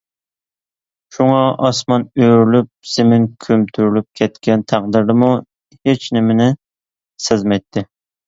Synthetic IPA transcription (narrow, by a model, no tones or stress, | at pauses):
ʃuŋɑʔɑsmɑnøɾylyp̚z̥ɪmɪnkʲʰømt̪ʰyɾylyp̚kʲʰɛt̪kʲɛnt̪ʰæq̚d̪ɪɾd̪ɨmu | het͡ʃnɪmɪnɪ | sɪzmɛjt̪ʰːɪ